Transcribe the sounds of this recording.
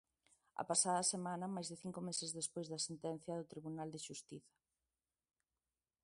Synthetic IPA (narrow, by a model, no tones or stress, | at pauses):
ɐ̰pasaðɐsemãnɐmajzðɪθiŋkʊmesezðespojzðɐsent̪ɛn̟θjɐðʊt̪ɾiβunald̪eʃust̪iθɐ̥